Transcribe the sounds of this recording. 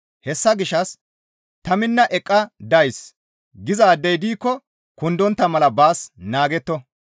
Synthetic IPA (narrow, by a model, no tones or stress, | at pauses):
hɛsːɐɡɪʃɐs | t̪ɐmɪnːɐʔɛkʼːɐd̪ɐjs | ɡɪzɐːd̪ːɛjd̪iːkːɔ | kʊnd̪ɔnt̪ːɐmɐlɐbaːsnaːɡɛt̪ːɔ